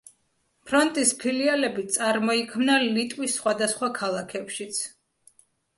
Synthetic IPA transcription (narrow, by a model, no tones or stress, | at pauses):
pʰɾɔnt̪ʼispʰilialɛbit̪sʼaɾmɔikʰmnalit̪ʼwisːχwad̪asχwakʰalˠakʰɛpʃit̪sʰ